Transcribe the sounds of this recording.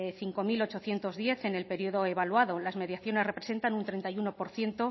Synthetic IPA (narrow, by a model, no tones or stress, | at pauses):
eθiŋko̞milo̞t͡ʃo̞θje̞nt̪o̞zðje̞θe̞ne̞lpe̞ɾioðo̞eβalwaðo̞lazme̞ðjaθjo̞ne̞zre̞pɾe̞se̞nt̪anunt̪ɾe̞nt̪ajuno̞po̞ɾθje̞nt̪o̞